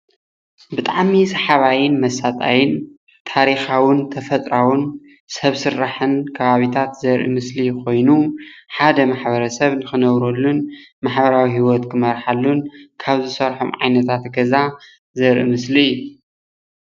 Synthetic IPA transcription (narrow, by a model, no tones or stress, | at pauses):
bɨt̪ʼaʕmisɐħaβajɪnmɐsat̪ʼa̰jɪn | t̪ʰaɾixawɨnt̪ʰɐfɐt̪ʼɾawɨn | sɐβsɨɾːaħɨnkʰɐβaβit̪ʰat̪zɐɾʔḭmɨslikʰo̞jnuħad̪ɐmaħbɐɾɐsɐβnɨxɨnɐβɾolːunmaħbɐɾawihiwɔt̪kʰɨmɐɾħalːunkʰaβzɨsɐɾħo̰mʕajnɐt̪ʰat̪ɡɐza | zɐɾʔḭmɨsliɨjːu